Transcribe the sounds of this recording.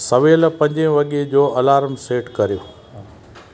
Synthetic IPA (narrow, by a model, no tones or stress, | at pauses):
sɐʋeːlpɐ̃ɲd͡ʑẽʋɐɠed͡ʑoːɐlaːɾmseːʈkɐɾijoː